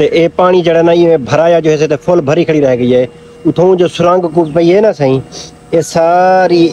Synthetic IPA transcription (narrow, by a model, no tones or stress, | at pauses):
t̪eːʔeːpaːɽ̃iːd͡ʒeːɽeːnaːiẽːbʱəɾaːjaːd͡ʒoːɦeseːt̪eːpʰolbʱəɾiːkʰəɽiːɾəɦeːɡəiːɦeː | ʊt̪ʰõːd͡ʒoːsʊɾãːŋɡkuːpəiɦeːnaːsãːĩː | eːsaːɾiː